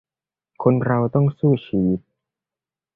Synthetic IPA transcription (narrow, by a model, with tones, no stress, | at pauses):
kʰo˧nɾa˧wt̪ɔ˥˩ŋsuː˥˩t͡ɕʰiː˧wi˦˥t̪̚